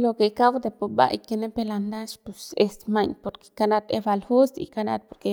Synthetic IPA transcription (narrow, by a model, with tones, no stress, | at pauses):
lo˧ke˨ka˦wd̪e˧˨po˨ba̰˧jke˧ne˦pe˧la˧nd̪a˦ʃpu˨se˧st̪ma˧ɲpo˧ɾke̥˧ka˦na˧t̪ḛ˧ba˧lhu˦sḭ˨ka˧na̰˧t̪̚po˧ɾke˧˦